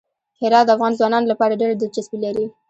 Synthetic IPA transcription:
hɪɾɑd̪d̪əafɣɑnzwɑnɑnolapɑɾaɖeɾad̪ɪld͡ʒasbilaɾi

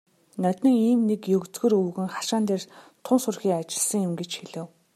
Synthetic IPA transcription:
nœt̪ʲɘ̆ŋiːmnekjɵkt͡sɡɵ̆rɵːɣɘ̆ŋχḁʃaːnt̪eːrt̪ʰʊnsʊrxiːŋat͡ɕɪ̆ɮsə̆ŋjɪmɡet͡ɕxiɮɘ̆w

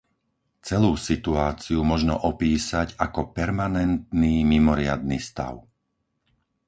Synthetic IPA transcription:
t͡sɛluːsit̪uaːt͡siumɔʒnɔ̰ʔɔpiːsaɟakɔpɛɾmanɛnt̪̚niːmimɔɾɪa̰d̪nist̪a̰ʊ

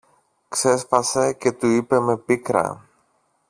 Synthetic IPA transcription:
kse̞spɐse̞ce̞t̪uipe̞me̞pikɾɐ̰

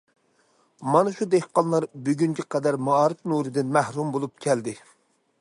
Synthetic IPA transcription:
mɑnɨʃud̪ehqɑnlˠɑɾbyɡʲyŋɡʲɛqʰɛd̪æɾmɑɑːɾɨfnuɾɨd̪ɪnmæhɾumbolˠup̚kʲʰɛld̪ɪ

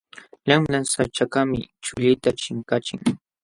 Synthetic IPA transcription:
ʎamlansat͡ʃakamɪ̰t͡ʃʊʎɪjt̪at͡ʃɪŋkat͡ʃɪŋ

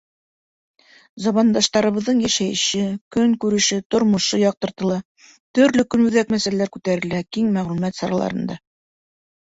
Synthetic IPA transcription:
zɑmɑnd̪ɑʃt̪ɑɾɤ̆βɤ̆ðːɤɴjæʃæjɘɕɘkɵŋkʉɾɘ̆ʃɘt̪ŏɾmɤ̆ʃɤjɑq̚t̪ɤ̆ɾt̪ɤ̆lˠɑ | t̪ɵ̆ɾlɵkɵnʉðækmæsælælæɾkʉt̪æɾɘ̆lækiŋmæʁlʉmæt̪sɑɾɑ̰lˠɑ̰ɾɤ̆nd̪ɑ

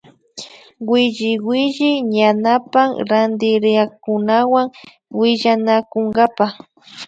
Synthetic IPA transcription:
wɪʒɪwɪʒɪɲanapaŋɾand̪ɪɾɪakʊnawaŋ | wɪʎanakoŋɡapaχ

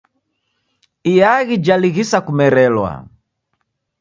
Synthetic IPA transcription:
ijaɣid͡ʒaliɣisakumɛɾɛlwa̰

